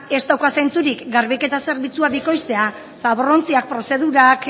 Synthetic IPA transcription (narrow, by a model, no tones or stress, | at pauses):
e̞st̪awkase̞nt͡suɾikɡaɾβike̞t̪ase̞ɾβit͡suaβiko̞jst̪e̞a | saβoro̞nt͡siak̚pɾo̞se̞ð̞uɾak